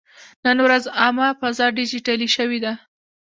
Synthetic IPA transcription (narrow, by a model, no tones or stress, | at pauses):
nənwɾazɑmapazɑɖid͡ʒiʈaliʃəwid̪a